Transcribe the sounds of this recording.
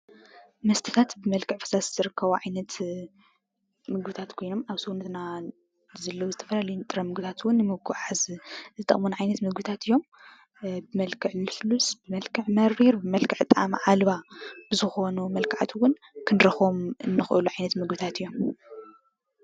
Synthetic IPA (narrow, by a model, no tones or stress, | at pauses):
mɐst̪ʰɨ̥t̪ʰat̪bɨmɐlkʰɨʕfɐ̥sasz̥ɨɾɨkʰːɐβuʕajnɐt̪ | mɨɡbɨt̪ʰat̪kʰo̞jno̞maβsunɨt̪na | zɐlːɐwuzɨt̪ʰɐfɐlalɐjunt̪ʼɨɾɐmɨɡɨt̪ʰat̪wʊnːɨmɨɡʰuʕazzɨt̪ʼɐ̰χmunʕajnɐt̪mɨɡbɨt̪ʰat̪ɨjːo̞m | bɨmɐlkʰɨʕlɨflusbɨmɐlkʰɨʕmɐɾːiɾbɨmɐlkʰɨʕt̪ʼa̰m̰ʕalβab̥ɨzɨxo̞numɐlkʰaʕat̪ʰwʊn | kʰɨnɾɨxomɨnːɨxʔɨluʕajnɐt̪mɨɡbɨt̪ʰat̪ɨjːo̞m